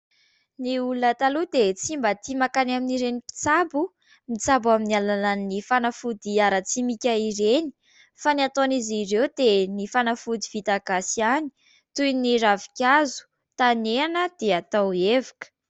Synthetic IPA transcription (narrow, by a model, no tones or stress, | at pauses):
niulət̪alud̪et͡simbət̪imakanaminiɾenipi̥t͡sabu | mit͡sabaminialananːifanafud̪iaɾət͡simikʲaiɾeni̥ | faniat̪onizirewd̪enifanafud̪ivit̪aɡasiani̥ | t̪ujniɾavikʲazu̥ | t̪aneanəd̪̥eat̪awevakə̥